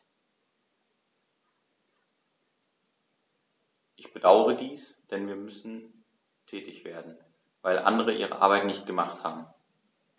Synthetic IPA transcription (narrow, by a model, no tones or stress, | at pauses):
ʔɪçb̥ədaʊəʁədiːsd̥ɛnviːɐmʏsn̩ | tʰɛːtɪçv̥eːɐdn̩ | vaɪlʔa̰ndəʁəʔḭːʁ̞ə̰ʔa̰ɐbaɪtnɪçt̚ɡ̥əmaχthaːbm̩